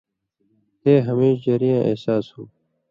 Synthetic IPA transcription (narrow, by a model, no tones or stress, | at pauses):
t̪eːɦəmeːʃd͡ʑeɾijãːʔḛsaːshuː